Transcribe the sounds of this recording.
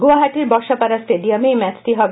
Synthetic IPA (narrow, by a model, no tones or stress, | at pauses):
ɡuaɦaʈiɾbɔʃapaɾasʈeɖijɔmejmɛt͡ʃʈiɦɔb